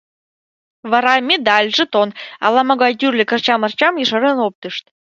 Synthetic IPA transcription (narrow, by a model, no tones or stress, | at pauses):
βɑɾɑmʲed̪ɑlʲʒə̆t̪onɑ̰lɑmoɣɑjt̪yrlʲɘ̆kə̆rt͡ɕɑmɤ̆rt͡ɕɑmjə̆ʃɤɾə̆nop̚t̪əʃt̪̚